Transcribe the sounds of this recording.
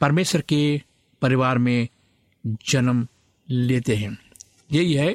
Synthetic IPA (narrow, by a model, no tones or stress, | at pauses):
pɐɾmeːʃəɾke | pɐɾɪʋaːɾmẽ | d͡ʒɐnəm | leːt̪eɦɛ̃ː | jɐiɦɛ